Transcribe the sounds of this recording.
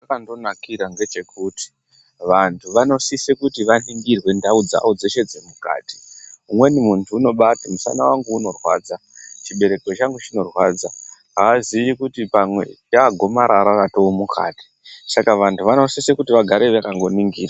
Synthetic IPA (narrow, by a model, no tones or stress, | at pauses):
akando̞nakiɾaŋɡe̞t͡ʃe̞kuti̥ | ʋantʰuʋano̞sisekutiʋaniŋɡirwe̞ndaud͡za̰ud͡ze̞ʃe̞d͡zemuka̰ːti̥umwe̞nimuntʰuːno̞ɓatimusa̰nawaŋɡuuno̞rwa̰ːd͡za | t͡ʃiɓe̞ɾe̞kot͡ʃaŋɡut͡ʃino̞rwad͡zaɦaʋaziʋikutipamwe̞̰jaːɡʱo̞maɾaɾaratoomukʰa̰ːti̥ | sakaʋantʰuʋano̞sisekutiʋaɡʱaɾeʋakaŋɡo̞niŋɡiːra